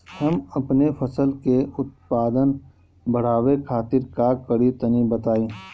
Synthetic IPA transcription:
hɐmɐpnefʰɐsəlkeʊt̪̚paːd̪ən | bɐɽ̤aːwekʰaːt̪ɪɾkakɐɽit̪ɐnibɐt̪aːẽː

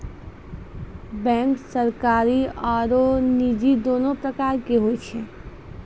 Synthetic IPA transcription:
bɛ̃ːŋksəɾkaːɾiɔːɾoniːd͡ʒid̪oːnõpɾəkaːɾkeɦoit͡ʃʰe

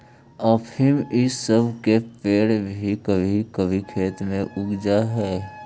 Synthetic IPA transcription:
ɔːpɪmɪsːəbʱkepeːɽbʱikəbʱikəbʱikʰeːt̪mẽʔʊɡd͡ʒaɦɛː

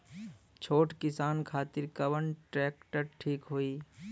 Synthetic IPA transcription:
t͡ʃʰoːʈkɪsaːnkʰaːt̪ɪɾkəbənʈɾɛːkʈəɾʈʰiːkɦoːiː

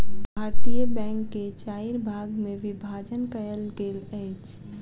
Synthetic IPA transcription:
bʱaːɾt̪ijəbɛ̃ːŋkːet͡ʃaːiɾbʱaːɡmẽʋɪbʱaːd͡ʒənkəjəlɡeləɪt͡ʃʰ

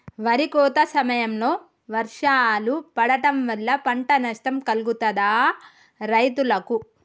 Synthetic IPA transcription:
ʋɐɾikɔːt̪ɐsɐmɐjɐmlo̞ː | ʋɐɾʂaːlupɐɽɐʈɐmʋɐlːɐpɐɳʈɐnɐʂʈɐmkɐlɡut̪ɐd̪aː | ɾɐjt̪ulɐku

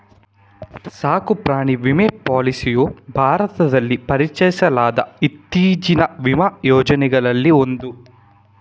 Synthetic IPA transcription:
saːkupɾaːɳiʋimepaːlisijubʱaːɾɐt̪ɐd̪ɐlːipɐɾit͡ʃɐjisɐlaːd̪ɐit̪ːiːd͡ʒinɐʋimɐjɔːd͡ʒɐnɛɡɐɭɐlːio̞nd̪u

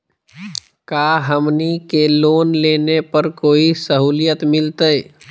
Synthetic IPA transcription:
kaːɦəmnikeloːnleːnepəɾkoːisəɦuːlijət̪mɪlt̪əj

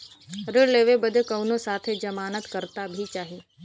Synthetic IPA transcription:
ɾəleːʋebəd̪ʱkəʋnosaːt̪ʰed͡ʒəmaːnət̪kəɾt̪abʱit͡ʃaːɦiː

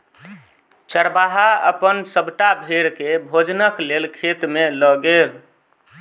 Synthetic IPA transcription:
t͡ʃəɾbaɦaə̰pənsəbʈabʱeɾkebʱod͡ʒnəklelkʰet̪meləɡel

